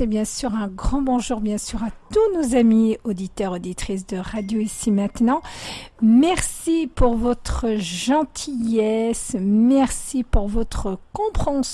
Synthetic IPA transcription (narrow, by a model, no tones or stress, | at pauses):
ɛbjɛ̃syʁɛ̃ɡʁɑ̃bɔ̃ʒuʁbjɛ̃syʁat̪unozamiod̪it̪œʁod̪it̪χis̬d̪əʁad̪joisimɛ̃t̪nɑ̃ | mɛʁsipuʁvɔt̪χəʒɑ̃t̪ʰijɛsmɛʁsipuʁvɔt̪χəkɔ̃pχɑ̃s